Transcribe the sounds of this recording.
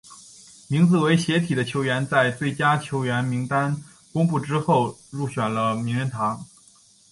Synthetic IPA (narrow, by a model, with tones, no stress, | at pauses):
mi˧˥ŋt͡sɹ̩˧˩we˧˥ɪɕjɛ˧˥t̪ʰi˨˩d̪ə˦t͡ɕʰjo˧˥ʊɥɛ˧˥nt͡sa˥˧ɪt͡swe˥˩ɪt͡ɕja˥t͡ɕʰjo˧˥ʊɥɛ˧˥nmi˧˥ŋt̪a˥n | kʊ˥ŋpu˥˩ʈ͡ʂɻ̩˥xo˥˧ʊɻu˥˩ɕɥɛ˨˩nlə˦mi˧˥ŋɻə˧˥nt̪ʰɑ˧˥ŋ